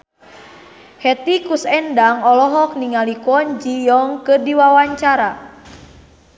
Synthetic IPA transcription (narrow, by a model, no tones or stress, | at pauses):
hɛt̪ikusɛndaŋɔlɔɦɔk̚niŋalikɔnd͡ʒijɔŋkədiwawaɲt͡ʃaɾa